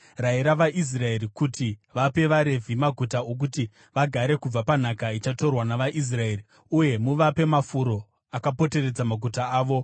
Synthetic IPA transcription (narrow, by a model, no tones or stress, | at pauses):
raiɾaʋaʔis̬rae̞rikutiʋape̞ʋaɾe̞vʱimaɡʱutao̞k̬uti | ʋaɡʱaɾe̞kub͡vapan̤akait͡ʃato̞rwanaʋaʔis̬rae̞ri | uje̞muʋape̞mafuɾo̞ | akapo̞te̞re̞d͡zamaɡʱutaaːʋo̞